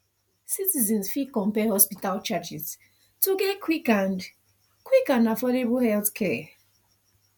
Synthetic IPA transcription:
sitizɛ̃nsfikɔ̃mpɛhɔspitalt͡ʃad͡ʒiz̥ | tuɡɛkʰwikãn | kwikãnafɔdebhɛlθkʰɛ

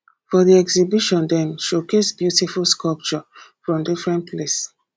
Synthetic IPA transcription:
fɔðiɛksibiʃɔ̃ndɛ̃nʃokesbjutifulskɔlp̚t͡ʃɔfɹɔ̃mdifɹɛ̃ntpʰles

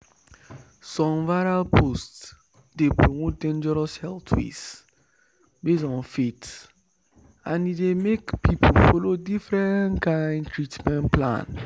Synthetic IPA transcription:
sɔ̃mvaɹalpʰost | depɹomot̚dẽnd͡ʒɛɹɔshɛltʰwḛs | besɔ̃nfet | ãnidemekpipʰolfɔlodifɹɛ̃nkãɪ̃ntʰɹitmɛ̃nplã̰n

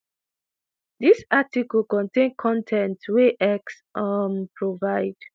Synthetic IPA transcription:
disatikɔlkɔ̃ntẽnkʰɔ̃ntʰɛ̃ntweʔɛks | ʔʌmpɹovaɪd̥

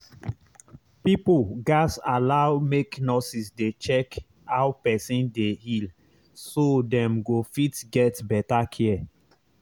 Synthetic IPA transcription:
pipulɡasalaʊmeknɔsisdet͡ʃɛk | haʊpɛsĩndehil | sodɛ̃mɡofitɡɛtbɛtakʰɛɛ

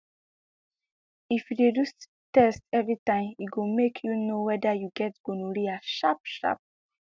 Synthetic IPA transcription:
ifjudedus | tɛstɛvɹitãɪ̃mitɡomekʰjunowɛdajuɡɛtɡ̥õnuɹiaʃapʃa̰p̚

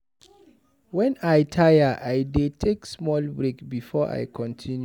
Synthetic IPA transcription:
wɛ̃najtʰajəʔajdetʰeksmɔlbɹekbifɔʔa̰jkʰɔ̃ntʰĩnj

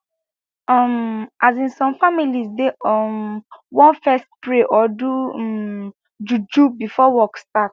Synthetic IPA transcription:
ɔmazĩnsɔ̃mfamilisdeɔmwɔ̃nfɛst̚pɹeʔɔdu | d͡ʒud͡ʒubifɔwɔkstat

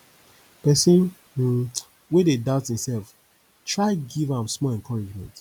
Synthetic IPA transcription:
pɛsə̃n̩ | wededaʊthĩmsɛlf | tʰɹaɪɡivãmsmɔlɛ̃nkʰɔɹid͡ʒmɛ̰̃nt

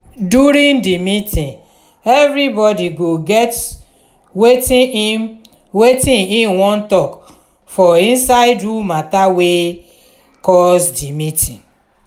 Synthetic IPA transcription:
duɾĩŋdimitĩŋ | evɾibɔdiɡoɡɛt | wet | wetĩniwɔn̩tɔk | fɔĩnsaɪdumatawe | kɔsdimitʰĩŋ

